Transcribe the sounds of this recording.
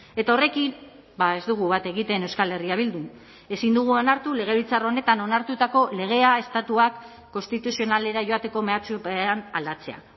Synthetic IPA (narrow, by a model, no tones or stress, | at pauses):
e̞t̪ao̞re̞kin | bae̞zd̪uɣ̞uβat̪e̞ɣit̪e̞newskale̞riaβ̞ild̪un | e̞sind̪uɣ̞uo̞naɾt̪ule̞ɣ̞e̞βit͡saro̞ne̞t̪ano̞naɾt̪ut̪ako̞le̞ɣ̞e̞ae̞st̪at̪uakː | o̞nst̪it̪usio̞nale̞ɾaʝo̞at̪e̞ko̞me̞at͡sueanald̪at͡se̞a̰